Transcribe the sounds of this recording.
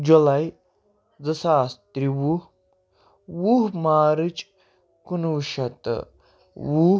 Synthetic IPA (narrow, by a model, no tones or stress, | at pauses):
d͡ʒulɐj | d͡zɐsaːst̪ɾiwuh | wuɦmaːɾɨt͡ʃʼ | kunuʃɐt̪ | wu